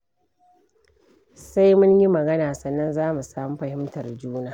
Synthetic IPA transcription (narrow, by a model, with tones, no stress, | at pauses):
sa˦jmʊ˦ɲji˦mɐ˨ɡɐ˦naː˨sɐ˨nːɐ˦nzaː˦mu˨saː˦mu˦ɸɐ˨hɪ˦mtɐ˨rd͡ʒuː˦naː˦